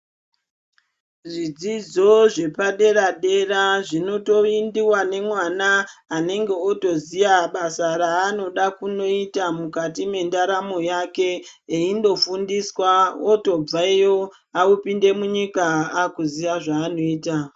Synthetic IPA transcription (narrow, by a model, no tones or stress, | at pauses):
ʐid͡zid͡zo̞ʐe̞paɗe̞raɗe̞raʐino̞to̞indiwane̞mwanaːne̞ŋɡe̞oto̞zijaɓasaɾaːno̞ɗakuno̞itamukatime̞ndaɾamo̞jake̞eindo̞fundiswaoto̞b͡vaijo | aupinde̞muɲikaːkuzijaʐaːno̞iːta